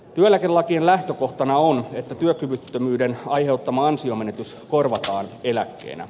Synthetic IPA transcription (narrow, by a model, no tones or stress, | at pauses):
t̪yøelækelːɑkienlæht̪øko̞ht̪ɑnɑonet̪ːæt̪yøkyʋyt̪ːømyːdenɑjhe̞ut̪ːɑmɑɑnsio̞me̞net̪ys | ko̞rʋɑt̪ɑːne̞lækːe̞̰ːnʔæ̰